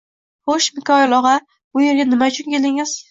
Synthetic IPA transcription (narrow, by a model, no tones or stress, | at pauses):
hoʃmɪkʲʰɒjlˠɒʁɑ | bʊje̞ɾɡʲanɪmaʊt͡ʃʰʊnkʲʰelɪŋɪz̥